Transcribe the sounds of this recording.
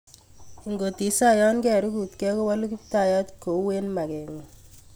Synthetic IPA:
i˨ŋɡo˨ti˨sa˦jɔ˦nkɛ˨ɾu˦ku˨tkɛ˦ko˦wa˦lu˦ki˦pta˨ja˦tko˨˦we˦nma˨kɛ˨ŋu˨

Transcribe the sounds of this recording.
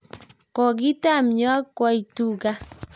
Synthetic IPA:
kɔ˨ɡi˦ta˦˨m˨ɲ˦a˦kwa˦˨i˨tu˦˨ɡa˦

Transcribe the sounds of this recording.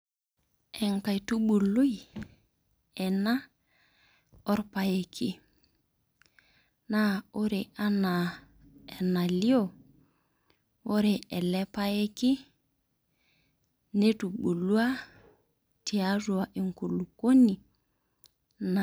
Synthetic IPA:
ɛ˨ŋka˨jtu˦ɓu˨lu˦j | ɛ˨na˦ | ɔ˦ɾpa˨je˨kʰi˦ | na˦o˦ɾe˨ʔa˦na˨ | e˨na˨li˦o˦˨ | wo˦ɾe˨ɛ˨lɛ˦pa˦je˦ki˦ | ne˦tu˨ɓu˨lu˦a˦ | ti˨a˦zu˨wa˨ʔi˨ŋko˨lu˨ko˦ni˨ | n

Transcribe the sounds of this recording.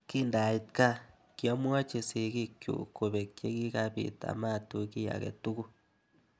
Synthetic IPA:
ki˦nda˨i˨tka˦ | kjo˦m˦a˦t͡ʃe˨si˨ɣi˦kjṵ˨ku˨βe˨kje˦ɣi˦ɣa˦βḭ˨ta̰˨ma˦˨tu˨ki˦ja̰˨ɣḛ˨tu˦ɣu˦

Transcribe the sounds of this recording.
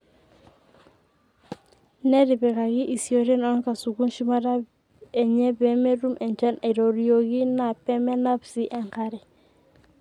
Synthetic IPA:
nɛ˦ɾi˨bɛ˨ka˨ɡi˦ʔi˨sjo˨ɾɛ˦nɔ˦nka˨su˨ku˦nʃi˦ma˦ɾa˦ | ɛ˨ɲɛ˦bɛ˦mɛ˦ɾu˦mʔɛ˨nt͡ʃa˦na˨ɾo˨ɾio˨ɡi˦na˨pɛ˦mɛ˦na˦psi˦ʔɛ˨ŋka˦ɾɛ˨

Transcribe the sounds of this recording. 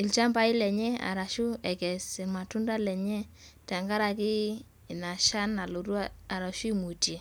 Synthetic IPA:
ɪ˨lt͡ʃa˦mba˦ɪ˦lɛ˨ɲɛ˦a̰˨ɾa˨ʃu˦ɛ˨kɛ˨sɛ˨ma˨tu˦nda˦lɛ˨ɲɛ˦ | ta˨ŋɡa˦ɾa˨kɪ˦˨ | na˨ʃa˦na˨lo˨ɾu˦aa˨ɾa˨ʃu˦i˨mu˨tje˨

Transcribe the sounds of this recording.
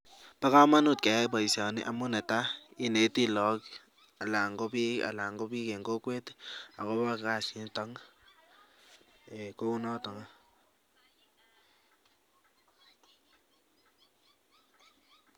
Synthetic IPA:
pa˦ka˦ma˦nu˦˨t̚kɛ˨a˦ba˨i˨sa˨nɪ̰˦ʔa˨mu˦nɛ˨ta˦i˦ne˨˦ti˦lɔ˨˦k | a˨la˨ŋɡo˦pi˦a̰˨la˨ŋɡo˦pi˦ke˨ŋɡo˦kwe˦ta̰˨ko˦ba˦˨ka˦˨si˨˦ntɔ˦ŋ | e˨ko˦u˦nɔ˦tɔ˨ŋa˦

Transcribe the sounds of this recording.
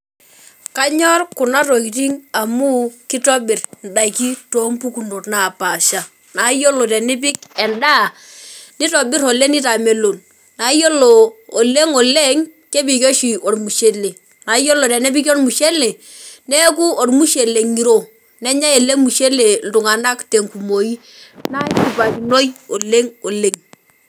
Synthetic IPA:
ka˦ɲɔ˦rku˨na˦to˨ki˨ti˦ŋa˨mu˦ki˦tɔ˦bɪ˨rn˨da˨i˨ki˦to˨˦mpu˦ku˨no˨tna˨pa˨ʃa˨ | na˨˦jo˦lo˨tɛ˨ni˦p̬ɪ˦kɛ˨nda˦˨ | ni˦tɔ˨bɪ˦ɾo˨le˦ni˦ta˨me˨lo˨n | na˨˦jo˦loː˨le˦ŋo˨le˦ŋke˦bi˨kɔ˦ʃi˨ʔo˨rmu˨ʃe˨˦le˨ | na˨˦jɔ˦lɔ˨tɛ˨nɛ˦bi˦k̬ɔ˦rmu˨ʃe˦le˨ | nɛ˦k̬u˦ɔ˨rmu˦ʃe˨le˨ŋi˨ɾo˦˨ | nɛ˦ɲa˦e˨le˦ŋmu˨ʃe˦le˨n̩˨du˨ŋa˨na˦kte˨ŋku˨mo˨i˦ | na˦ki˨pa˨ki˨no˦jɔ˨le˦ŋo˨le˨ŋ

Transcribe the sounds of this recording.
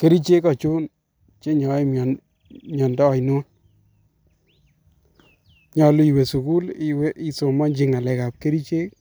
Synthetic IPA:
ke˦ɾi˦t͡ʃe˦kɔ˨t͡ʃu˦n | t͡ʃe˦ɲɔ˨˦i˦m˨ | mjɔ˨ndɔː˦˨jno˦n | ɲɔ˨lu˦i˨we˨su˨ku˦liwe˦ʔi˦so˨mɔ˦nd͡ʒi˦ŋa˨lɛ˨ka˨p̚ke˦ɾi˦t͡ʃe˦k̚

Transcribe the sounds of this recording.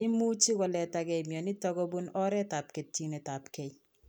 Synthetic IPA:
ɪ˦mu˦t͡ʃi˦kɔ˨lɛ˨ta˨kɛ˨mjɔ˨nɪ˦tɔ˦ɡɔ˦bu˦nɔ˦ɾɛ˦ta˨p̚ke˨tːi˦nɛ˨ta˨pke˨ɲ

